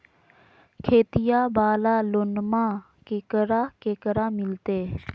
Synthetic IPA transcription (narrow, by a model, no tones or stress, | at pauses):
kʰeːt̪ɪjaːbaːlaːlonmãː | kekəɾaːkeːkəɾaːmɪlt̪eː